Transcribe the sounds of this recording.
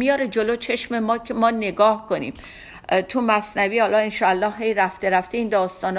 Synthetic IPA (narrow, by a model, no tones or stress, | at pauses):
mijɒːɾed͡ʒoloːt͡ʃʰe̞ʃmemɒːcʰemɒːne̞ɡɒːhkʰonḭːm | t̪ʰumæsnæviːhɒːlɒːenʃɒːælːɒːhɦejɾæft̪e̞ɾæft̪eiːnd̪ɒːst̪ɒːn